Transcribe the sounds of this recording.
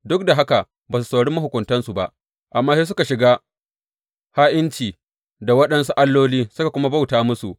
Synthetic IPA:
dʊ˦k̚da˨ɦa˦ka˨ | baː˨su˨sa˨ɽɪ˦mː˦hʊ˨kʷʊ˨ntɐ˦nsu˨ba˦ʔ | ʔa˨mːaː˦se˦s̬ʊ˦ka˨ʃɪ˨ɡaː˦ | haː˦ʔɪ˦nt͡ʃiː˨ | da˨wɐ˦ɗɐ˦nsu˦ʔa˦lːoː˦liː˦sʊ˦ka˨kʷʊ˦ma˦ba˦˨wtaː˦mʊ˦su˨ʔ

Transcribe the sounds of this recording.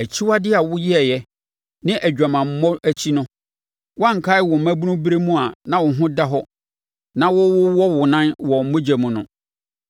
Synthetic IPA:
æ˨t͡ɕʰi˦wa˦dɪ˦a˨wʊ˦jɪ˦ɛ˨jɛ˦ | nɪ̃˦ʔæ˨d͡ʑᶣa˨mã˨m̩˨˦mːɔ̃˦æ˦t͡ɕʰi˦nʊ̃˦ | wã˦ŋ̩˨kʰa˦ɪ˦wɔ˨m̩˨mæ̃˦bu˦nʊ̃˦bɾe˦mũ˦a˨nã˦wʊ˨ɦʊ̃˦da˦ɦɔ˦ | nã˦wʊ˦wʊ˦wɔ˦wʊ˨nã˦nwɔ˨m̩˦mõ˦d͡ʑa˨mũ˨nʊ̃˨

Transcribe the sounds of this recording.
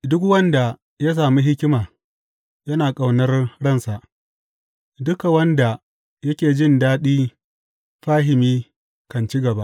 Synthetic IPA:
dʊ˦kwɐ˦nda˨ | ja˦s̬aː˨mi˦ɦɪ˦kʲɪ˦maː˨ | jɐ˦naː˨kʼa˨wnɐ˦rɽɐ˦˨nsa˨ʔ | dʊ˦ka˨wɐ˦nda˨ | jɐ˦kʲeː˨d͡ʒɪ˦˨ndaː˦ɗiː˦ | ɸaː˦ɦɪ˨miː˦ | kɐ˨nt͡ʃi˦ɡɐ˨ba˦ʔ

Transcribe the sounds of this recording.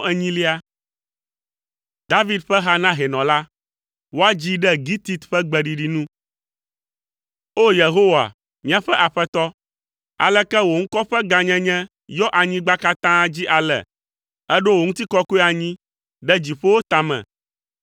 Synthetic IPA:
ɛ˦ɲĩ˦li˦a˦ | d̪a˦vi˦d̪ɸɛ˦ɦa˦nã˦ɦɛ˨nɔ̃˨la˦ | wo˦a˦d͡ʑi˦ɖɛ˦ɡi˦t̪i˦t̪ɸɛ˦ɡ͡bɛ˨ɖi˨ɖi˨nũ˦ | o˦je˨ɦo˦wa̰˨ | mĩ˦a˨ɸɛ˦ʔa˨ɸɛ˦t̪ɔ˦ | a̰˨lɛ˦kɛ˦wo˨ŋ̩̃˦kɔ˦ɸɛ˦ɡa˨ɲɛ̃˦ɲɛ̃˦ | jɔ˦ʔa˨ɲĩ˦ɡ͡ba˦ka˦t̪ã˦d͡ʑi˦ʔa˨lɛ̰˨ | ɛ˦ɖo˦wo˨ŋũ˦t̪i˦kɔ˦ko˦ɛ˦a˨ɲĩ˦ | ɖɛ˦d͡ʑi˨ɸo˦wo˦t̪ã˨mɛ̰̃˨

